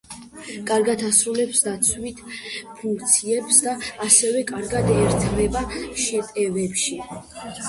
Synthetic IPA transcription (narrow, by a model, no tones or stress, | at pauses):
kʼaɾɡad̪ʰasɾulɛpsd̪at̪sʰwit̪ʰpʰuŋkʰt̪sʰiɛpsd̪aːsɛvɛkʼaɾɡad̪ɛːɾt̪ʰvɛbaʃɛt̪ʼɛvɛpʃi